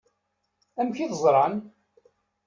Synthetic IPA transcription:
æmçiðəzˤɾˤɑn

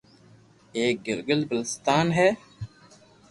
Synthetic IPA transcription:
eːk̚ɡɪlɡəlbəlɪst̪aːnɦɛː

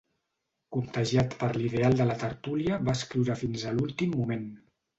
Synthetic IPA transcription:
kunt̪əʒiat̪pəɾliðealˠd̪ələt̪əɾt̪uliəβaəskɾiwɾəfinzəlulˠt̪imːumen

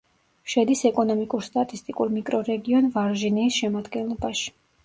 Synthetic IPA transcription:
ʃɛd̪isɛkʼɔnɔmikʼuɾst̪ʼat̪ʼist̪ʼikʼuɾmikʼɾɔɾɛɡiɔnvaɾʒiniːsʃɛmad̪ɡɛnlˠɔbaʃi̥

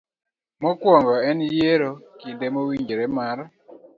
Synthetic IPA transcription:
mɔkwɔŋɡɔɛnijeɾɔkindemowiɲd͡ʒiɾɛmaɾa

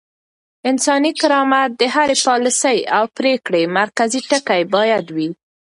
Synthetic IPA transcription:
ɪnsɑnikɪɾɑmat̪̚d̪əɦaɾepɑləsəjawpɾekɽemaɾkaziʈəkajbɑjad̪wi

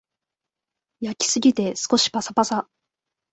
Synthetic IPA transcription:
jakʲi̥sɨɡʲit̪e̞sɨ̥ko̞ɕi̥pasapasa

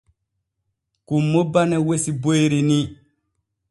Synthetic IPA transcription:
kumːobanewesiboiɾini

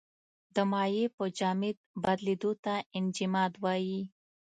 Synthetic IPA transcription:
d̪əmɑjepəd͡ʒɑmɪd̪̚bad̪led̪ot̪aɪnd͡ʒɪmɑd̪wɑji

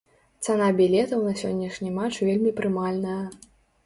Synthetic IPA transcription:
t̪sɛnabʲilʲɛt̪ɐwnɐsʲɔnʲːɐʂnʲimat͡ʂvʲelʲmʲipɾɨmalʲnɐjɐ

